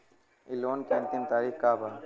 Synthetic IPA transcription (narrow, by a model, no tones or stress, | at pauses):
ɪloːnkɛːnt̪int̪aːɾixkaːbaː